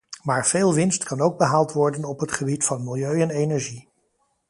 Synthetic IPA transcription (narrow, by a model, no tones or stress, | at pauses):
maːɹv̥eːlˠʋɪnstkɑnowɡ̚bəɦaːlˠtʋɔɹdənɔpɦətχəbitfɑnmɪlˠjøɥɛnejnɛɹʒi